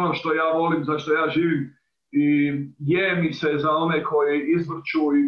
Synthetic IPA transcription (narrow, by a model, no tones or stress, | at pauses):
noʃt̪o̞jaːʋo̞limzaʃt̪o̞jaːʒiːʋim | ijemisezao̞nekʰo̞jiizʋr̩t͡ʃui